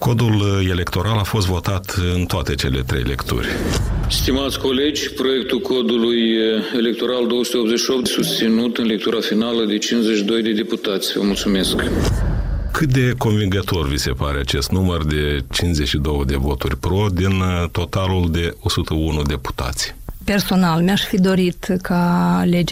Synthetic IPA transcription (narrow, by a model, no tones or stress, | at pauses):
ko̞d̪ule̞le̞kt̪o̞ɾalafo̞s̬t̪vo̞t̪at̪ɨnt̪oat̪et͡ʃe̞le̞̰t̪ɾe̞̰jle̞̰kt̪ṵrʲst̪imat̪sʲko̞le̞d͡ʒʲpɾo̞je̞k̚t̪ulkʰo̞d̪ulujelek̚t̪o̞ɾald̪owəsu̥t̪eopzet͡ʃʃiop̪sust̪sinut̪ɨnle̞k̚t̪uɾafinaləd̪e̞t͡ʃinzeʃid̪o̞jd̪e̞d̪e̞put̪at̪sʲvə̰mult̪sume̞sk | kʰɨt̪̚d̪e̞ko̞nviŋɡət̪o̞rvise̞paɾeat͡ʃe̞st̪numərd̪e̞t͡ʃinzeʃid̪o̞wəd̪e̞vo̞t̪urʲpɾo̞d̪int̪o̞t̪aluld̪e̞o̞sut̪əunud̪e̞pu̥t̪a̰t̪sʲpe̞rso̞nalmeaʃfid̪o̞ɾit̪kʰale̞d͡ʒ